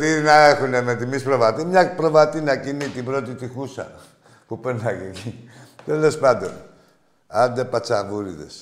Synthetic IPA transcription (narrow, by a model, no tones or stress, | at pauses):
t̪inaexunemet̪imispɾoβat̪imɲak̚pɾoβat̪inakinit̪ibɾot̪it̪ixusa̰ | pupənakikit̪olespad̪on | ad̪epat͡savuɾid̪ḛs